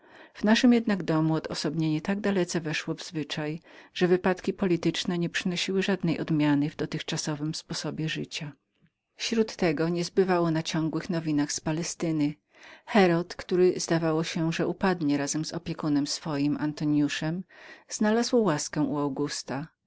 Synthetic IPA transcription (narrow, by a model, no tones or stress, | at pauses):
v̥naʂɘmjɛd̪naɡd̪ɔmuɔd̪ɔsɔbɲɛɲɛt̪aɡ̚d̪alɛt̪sɛvɛʂwɔvzvɘt͡ʂajʐ̥ɛvɘpat̪kʲipɔlʲit̪ɘt͡ʂnɛɲɛpʂɘnɔɕiwɘʐad̪nɛjɔ̰d̪mʲjanɘvd̪ɔt̪ɘxt͡ʂasɔvɘmspɔsɔbʲjɛʐɘt͡ɕa | fɕɾut̪ːɛɡɔɲɛzbɘvawɔnat͡ɕɔ̃ŋɡwɘxnɔvʲinaxspalɛst̪ɘnɘ | xɛɾɔt̪kt̪uɾɛzd̪avawɔɕɛʐɛʔupad̪ɲɛɾazɛmzɔpʲjɛkunɛmsfɔjimʔa̰nt̪ɔɲjuʂɛmz̥nalazwɔwaskɛ̃ʔuawɡust̪a